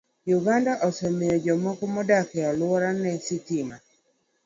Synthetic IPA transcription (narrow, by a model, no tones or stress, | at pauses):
juɡandaʔɔsɛmejɔd͡ʒɔmɔkɔmɔdakɛɔlwɔɾanɛsɪtima